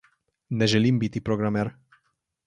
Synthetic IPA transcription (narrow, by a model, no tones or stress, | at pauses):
nɛʒelimbit̪ipɾoɡɾamɛɾ